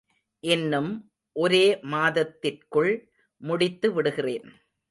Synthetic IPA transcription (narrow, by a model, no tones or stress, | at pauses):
ʔɪnːɯm | ʔɔɾeːmaːðɐt̪ːɪrkɯɭ | mʊɽɪt̪ːɯʋɪɽɯɣɪreːn